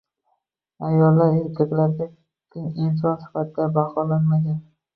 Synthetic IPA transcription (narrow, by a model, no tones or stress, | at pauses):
ajɒlːaɾjɪkʰakʲlaɾɡ̪ʲa | kʰʲeŋɪns̬ɒnsɪ̥fat̪d̪ʲabaχɒlanmaɡʲan